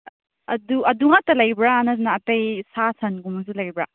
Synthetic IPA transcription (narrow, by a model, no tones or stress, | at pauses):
ɐduɐduŋatɐlɐjbɾanɐs̬naːtejsasʰɐnɡumɐs̬ulɐjbɾa